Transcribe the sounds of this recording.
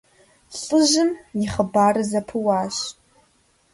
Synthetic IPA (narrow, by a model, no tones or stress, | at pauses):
ɬʼɨʒɨmjɪχəbaːrɨzɐpʰɨwaːʃ